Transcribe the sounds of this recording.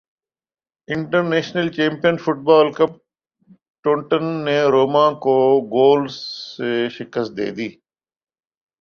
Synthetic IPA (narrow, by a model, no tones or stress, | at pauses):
ɪ̃ɳʈəɾneːʃnəlt͡ʃẽːmpijənfʊʈ̚baːlkəp̚ | ʈõːɳʈənːeɾoːmãːkoɡoːlseʃɪkəst̪̚d̪ḛːd̪iː